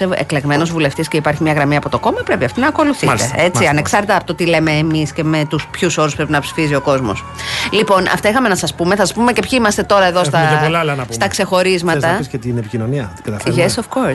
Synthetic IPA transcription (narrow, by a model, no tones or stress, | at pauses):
eḛkleɣme̞nozvule̞ft̪isce̞ipɐɾçimɲɐɣɾɐmiɐpo̞t̪o̞ko̞mɐpɾe̞piɐft̪inɐko̞luθieet͡siɐneksɐɾt̪et̪ɐpot̪ot̪ile̞me̞ːmisce̞me̞t̪uspçuso̞ɾuspɾepinɐpsi̥fizio̞ko̞zmo̞̰slipo̞nɐ̰ft̪ɐixɐme̞nɐsɐspumeθɐsɐ̥spume̞cepçiimɐst̪et̪o̞ɾɐeðost̪ɐolɐlɐnɐpst̪ɐkse̞xo̞ɾizmɐt̪ɐset̪inepicinoniɐkɐt̪ɐʝesofkoɾ